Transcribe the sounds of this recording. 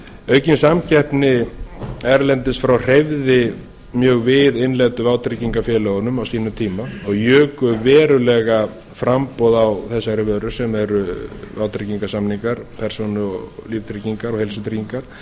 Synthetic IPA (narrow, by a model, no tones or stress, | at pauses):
œːɥcɪnsamcʰɛhpnɪ | ɛɾlɛnt̪ɪst̪fɾawr̥ejvðɪ | mjœːɣvɪðɪnlɛt̪ʏvaːwt̪ɾiciŋkafjɛːlœɣʏnʏmawsiːnʏmt̪ʰiːmaɔɣjœːkʏvɛːɾʏlɛɣa | fɾampɔðawθɛsːaɾɪvœɾʏ̥sɛmɛɾʏvaːwt̪ɾɪciŋkasamniŋkaɾ̥pʰɛɾ̥sonʏɔ̰livt̪ʰɾiciŋkaɾɔhejlsʏt̪ʰɾiciŋkaɾ̥